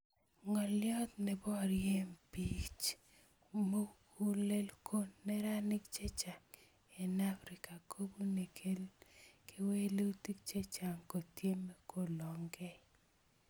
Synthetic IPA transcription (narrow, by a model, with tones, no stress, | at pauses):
ŋɔ˨ljɔ˦t̪̚nɛ˨bɔ˦˨ɾje˦mpi˦t͡ʃ | mo˦ku˦le˦lkʰo˦nːɛ˦ɾa˦nɪ˦kt͡ʃe˦t͡ʃa˨ŋ | ɛ˨na˦fɾɪ˨ka˨kʰo˦bu˦ne˨kʰe˦lkʰe˦we˦lu˦ti˦k̚t͡ʃe˦t͡ʃa˨ŋko˨tje˦mɛ˦ko˦˨lɔ˨ŋɡɛ˦